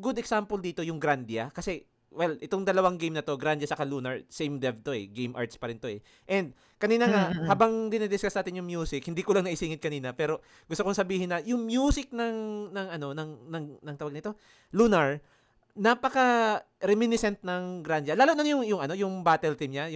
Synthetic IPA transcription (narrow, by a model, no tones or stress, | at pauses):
ɡʊd̪ɛksampold̪iːt̪o̞jʊŋɡɾand̪jɐkɐsɛ | wɛlʔɛt̪oŋd̪ɐlɐwaŋɡejmnɐt̪o̞ɡɾand̪d͡ʒɐsɐkaluːnɐɹsɛjmd̪ɛf̚t̪o̞ɛɡejmʔa̰ɹt̪spɐɾɪnt̪o̞ɛ | ʔɛnd̪̚ | kɐniːnɐŋahaːbaŋd̪ɪnɪd̪ɪsɡkasnaːt̪ɪnɲjʊŋmjuːsɪkhɪnd̪iːkolɐŋnɐʔɪsiːŋɪt̪̚kɐniːnɐpɛːɾo̞ | ɡʊst̪okːoŋsɐbiːhɪnːɐjʊŋmjuːsɪk̚nɐŋnɐŋʔɐno̞nɐŋnɐŋnɐŋt̪ɐwaɡ̚nɪt̪o̞ | lunɐɹ | napɐkɐ | ɾɛmɪnɪsɛnt̪̚nɐŋɡɾand̪jɐlaːlonɐŋjʊŋjʊŋʔɐno̞jʊŋbaːt̪ɛlt̪imɲajʊ